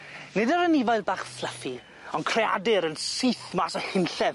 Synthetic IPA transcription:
nɨdəɾənɪvajðbaːχflˠəfi | ɔnkʰr̥ɛa̰dɨɾənsiθmasəhɪnɬɛv

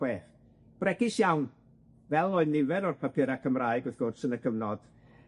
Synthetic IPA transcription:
weːθ | b̥rɛɡɪsjawn | vɛlˠɔɨnɪvɛnɔrpʰapʰɪɾakʰəmraːɨɡɨθɡʊrsənəkʰəvnɔd̥

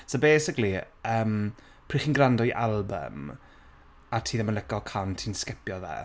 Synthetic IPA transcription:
sobejsɪkli | əːm | pʰr̥iːχiːnɡrandɔiʔalˠbə̰m | atʰiːðəmənləkɔkʰantʰiːnskɪpjɔðɛ̰

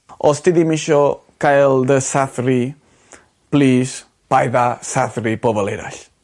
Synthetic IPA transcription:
ɔst̪iðimɪʃɔ | kajlˠd̪əsaθɾi | pliːs | pajðasaθɾipɔbəleɾa̰ɬ

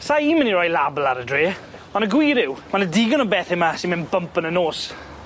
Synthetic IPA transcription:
saiːməniɾɔjlablˠaɾədreː | ɔnəɡwiːɾɪwmanədiːɡənɔbɛθɪmasimɪnbəmpənənoːs

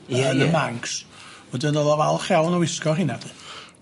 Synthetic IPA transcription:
ənəmaŋkʰsb̥ɔdɪnɔðɔvalˠχjawnɔwɪskɔɦɪnad

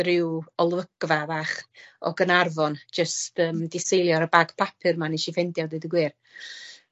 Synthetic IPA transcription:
rɪwɔlˠvəɡ̥vabaːχɔ̰ɡənarvɔnd͡ʒəstəːmdɪsejlˠjɔɾəbaɡ̥pʰapʰɨrmaniʃifɛndjɔdedəɡwɪːr

